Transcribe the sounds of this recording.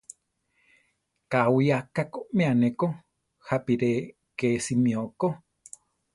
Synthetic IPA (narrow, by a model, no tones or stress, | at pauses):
kawiakakomẽaneko | hapiɾe | keːsimĩoko